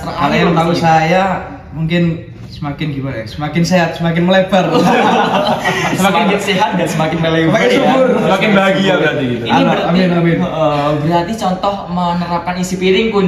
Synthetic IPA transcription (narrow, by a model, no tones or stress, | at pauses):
aɾajamənausaja | muŋkɪn | səmakɪnɡibasəmakɪnseat̪̚səmak̬ɪnməleb̥ar | səmakɪnkəsiɦat̪̚ɡansəmakɪnəlebaubʊrəmakɪnbaɡiabɾat̪iɡit̪uiamɪnamɪnbəɾart̪it͡ʃɔnt̪ɔhmənəɾap̚kanisipiɾɪŋkun